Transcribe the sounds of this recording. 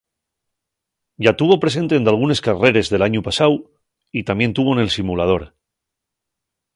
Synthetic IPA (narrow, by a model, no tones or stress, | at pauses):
ɟ͡ʝat̪uβo̞pɾe̞s̬e̞nt̪end̪alɣ̞une̞skare̞ɾe̞zðe̞laɲupasaw | it̪amje̞nt̪uβ̞o̞ne̞lsimulað̞o̞ɾ